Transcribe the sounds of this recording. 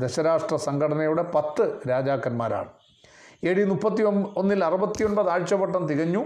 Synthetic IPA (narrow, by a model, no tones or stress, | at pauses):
d̪eɕɐɾaːʂʈrɐsɐŋɡɐɽɐnɐjuɽe̞pɐt̪ːɨɾaːd͡ʑaːkːɐnma̰ːɾa̰ːɳɨ | eːɽinupːɐt̪ːio̞nːilɐrubɐt̪ːijoɳbɐðaːɻt͡ɕːɐbɐʈːɐnt̪iɣɐɲːu